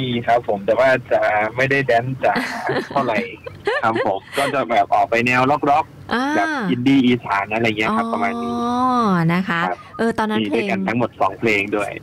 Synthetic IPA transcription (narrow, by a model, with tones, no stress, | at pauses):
iː˧kʰa˦˥pʰːo˩˦mt̪a˨˩waː˥˩t͡ɕa˨˩ʔma˥˩jda˥˩jdɛː˦˥nt͡ɕaː˨˩kt̪ʰa˥˩wɾa˧˩jkʰa˦˥pʰːo˩˦mkɔː˥˩t͡ɕa˨˩bɛː˨˩p̚ʔɔː˨˩k̚pa˧jnɛː˧wlɔ˦˥k̚ɾɔ˦˥k̚ʔaː˧ka˨˩p̚ʔi˧ndiː˧˩ʔiː˧saː˩˦nʔa˧ɾa˧jŋi˦˥ɐkʰa˦˥pːɾa˧maː˧nːiː˦˥na˦˥kʰa˦˥a˦˥p̚ʔɤː˧t̪ɔː˧nːa˦miː˧du˥˩jka˧nt̪ʰa˦˥ŋmo˨˩t̪̚sɔː˩˦ŋpʰleː˧ŋdu˥˩əj